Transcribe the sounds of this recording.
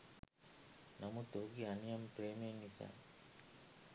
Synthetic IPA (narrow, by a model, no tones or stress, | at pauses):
nɐmut̪oɡiɐnijɐmpɾeːmijeŋːisa̰ː